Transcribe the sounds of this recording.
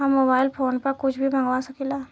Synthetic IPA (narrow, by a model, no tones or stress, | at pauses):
amːoːbaːɪlpʰoːnpɐɾkʊt͡ʃʰbʱibʱɐ̃ŋɡʋasɐkiːlaː